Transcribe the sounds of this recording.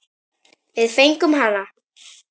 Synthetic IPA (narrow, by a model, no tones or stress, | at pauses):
vɪðfejŋkʏmɦana